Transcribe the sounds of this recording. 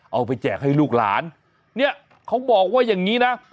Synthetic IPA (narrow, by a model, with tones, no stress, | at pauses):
ʔa˧wpa˧jt͡ɕɛː˨˩k̚ha˥˩jluː˥˩k̚la̰ː˩˦n | ni˥˩ɐ | kʰa˦˥wbɔː˨˩k̚waː˥˩jaː˨˩ŋːiː˦˥na˦˥